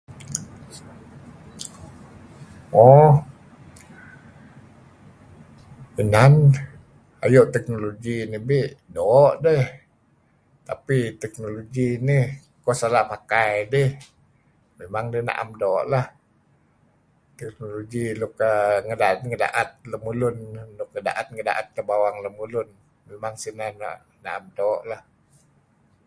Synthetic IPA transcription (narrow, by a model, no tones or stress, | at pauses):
ɔ | ənan | a̰joʔt̪ɛk̚noloɡinibiʔdɔʔdɛh | t̪apit̪ɛk̚noloɡinih | kɔsalaʔpakajdəh | memaŋdəhna̰ʔa̰mdɔʔlah | t̪ɛk̚noloɡilʊkaŋədat̪ŋəda̰ʔat̪̚ləmulʊndʊk̚ŋəda̰ʔat̪̚ŋəda̰ʔat̪̚kəbawaŋləmulʊn | memaŋsinana̰ʔ | na̰ʔamdɔʔlah